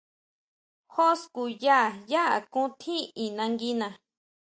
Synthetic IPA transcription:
ho˦sku˧ja˦˨ja˦ʔa˨kũ˦t̪ʰi˦i˨nã˧ŋɡi˦nã˧

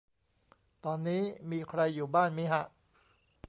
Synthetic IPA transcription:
t̪ɔː˧nːiː˦˥miː˧kʰɾa˧jːuː˨˩baː˥˩nmiː˦˥ɦa˦˥ʔ

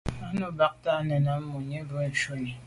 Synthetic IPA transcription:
a˦no˦ba˦k̚ta˦nɛ˨na˨˦m˦mo˨ɲe˦bo˦˨n̩˨ʃo˦ɲe˨

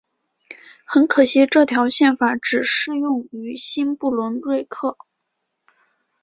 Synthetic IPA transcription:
xə˧˥nkʰɤ˨˩ɕi˧˥ʈ͡ʂɤ˥˩t̪ʰjɑ˧˥ʊɕjɛ˥˩nfa˧˩˥ʈ͡ʂɻ̩˨˩ʂɻ̩˥˧jʊ˥˩ŋy˧˥ɕi˥npu˥˩lwə˧˥nlwe˥˧ɪkʰɤ˥˩

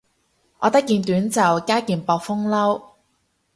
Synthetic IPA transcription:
ʔɔː˨˧t̪ɐ˥kːiː˧nt̪yː˨˥nt͡sɐ˨˩wkaː˥kiː˨npɔː˧k̚fʊ˥ŋlɐ˥w

